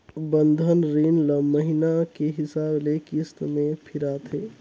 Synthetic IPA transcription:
bənd̪ʱənɾinləmːəɦinakeɦɪsaːblekist̪mẽpʰiɾat̪ʰe

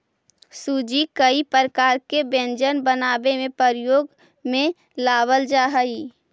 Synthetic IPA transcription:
sud͡ʒikəipəɾəkaːɾkebẽnd͡ʒənbənaːbemẽpəɾjoːɡ | mẽ | laːbəld͡ʒaːɦəi

